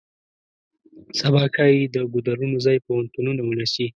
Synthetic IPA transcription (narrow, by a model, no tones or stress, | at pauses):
sabɑkʰajid̪əɡʊd̪aɾunozɑjpahant̪ununawənasi